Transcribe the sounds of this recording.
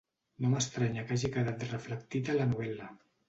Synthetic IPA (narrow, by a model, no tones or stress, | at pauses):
noməst̪ɾaɲəkaʒikəðat̪rəflək̚t̪it̪ələnuβ̞ɛlə